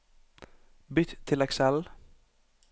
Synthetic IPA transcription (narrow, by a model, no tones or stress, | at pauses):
bʏt̪t̪ʰːɪlɛksɛl